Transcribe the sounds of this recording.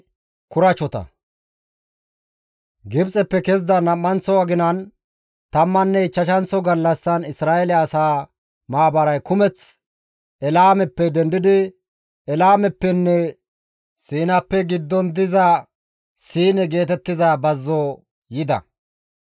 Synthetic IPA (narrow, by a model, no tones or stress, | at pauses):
kʊɾɐt͡ʃɔt̪ɐ̰ | ɡɪbt͡sʼɛpːɛkɛzd̪ɐnɐmːɐnt͡sɔwɐɡɪnɐn | t̪ɐmːɐnːɛt͡ʃːɐʃɐnt͡sɔɡɐlːɐsːɐnɪsɾaːɛlɛɐsaː | maːbɐɾɐjkʊmɛt͡s | ɛlaːmɛpːɛd̪ɛnd̪ɪd̪ɪ | ɛlaːmɛpːɛnːɛ | siːnɐpːɛɡɪd̪ːɔnd̪ɪzɐ | siːnɛɡe̞ːt̪ɛt̪ːɪzaːbɐzːɔ | jɪd̪ɐ̰